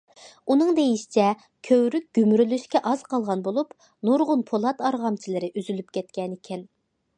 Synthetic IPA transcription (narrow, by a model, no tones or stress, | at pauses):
unɨŋd̪ejiʃi̥t͡ʃʰɛ | kʲʰøwɾyk̚ʲɡ̥ʲymɾylyʃkʲɛʔɑz̥qʰɑlˠʁɑnbolˠup | nuɾʁʊnpʰolˠɑt̪ɑɾʁɑmt͡ʃʰilɪɾɪʔyzylyp̚kʲʰɛt̪̚kʲɛnekʲʰɛn